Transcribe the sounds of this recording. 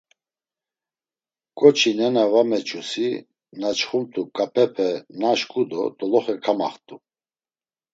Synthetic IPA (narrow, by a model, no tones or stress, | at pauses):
kʼɔt͡ʃʰinɛnavamɛt͡ʃʰʼusi | nat͡ʃχumt̪ʰʼukʼapʰɛpʰɛnaʃkʼud̪ɔ̰d̪ɔlɔχɛkʰama̰χt̪ʼu